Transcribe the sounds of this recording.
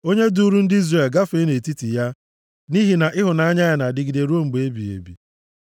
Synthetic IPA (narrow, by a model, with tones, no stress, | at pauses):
o˦ɲe˦du˦ɾu˦n̩˦dɪ˦i˦zre˨lɡa˦fe˦ne˨ti˦ti˨ja˦ | ni˦ɦi˨na˨ʔɪ˦ɦʊ˨na˦a˦ɲa˦ja˨na˨dɪ˨ɡi˨de˨ɾu˦o˦ŋ͡m̩˨ɡ͡be˨e˦bi˨ḛ˨bḭ˨